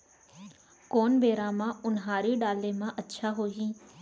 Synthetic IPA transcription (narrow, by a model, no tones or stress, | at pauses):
koːnbʱeːɾãmãʊnɦaːɾiɗaːleːmãʔɐtːʃʰaɦoːɦĩː